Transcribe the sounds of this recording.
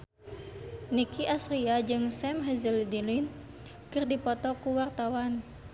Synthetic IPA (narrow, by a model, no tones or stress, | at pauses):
nikiʔasɾiad͡ʒɨŋsɛmɦəzəlidilin | kɨrdipɔt̪ɔkuwart̪awan